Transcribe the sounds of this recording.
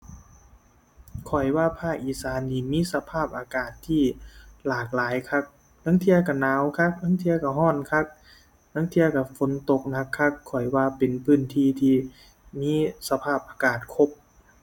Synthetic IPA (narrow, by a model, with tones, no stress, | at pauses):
kʰɔ˨˩jwaː˧pʰaː˥˩k̚ʔiː˨˩saː˨˧˦nːiː˧˩miː˧˥˨sa˧pʰaː˥˩p̚ʔaː˧kaː˨˩t̪ʰːiː˧˥˩laː˨˩k̚laː˨˦jkʰa˧˥k̚ | la˧˥˦ŋt̪ʰi˧˥ɐka˧˩naː˨˧˦wkʰa˧˩k̚na˧˥˨ŋt̪ʰi˧˥ɐka˧˩ɦɔː˧˥˩nkʰa˧˥˩k̚ | na˧˥ŋt̪ʰi˧ɐka˧˩fo˨˦nt̪o˧˩k̚na˧˩kʰːa˧˥kʰːɔ˨˩jwaː˧˩pe˨npʰɯː˧˥˩nt̪ʰiː˧˥˩t̪ʰiː˧˩ | miː˧˥˨sa˧pʰaː˥˩p̚ʔaː˧kaː˨˩t̪̚kʰo˧˥p̚